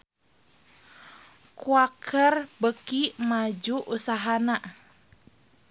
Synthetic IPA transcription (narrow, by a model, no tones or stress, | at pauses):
kuakʰərbəkimad͡ʒuʔusaɦana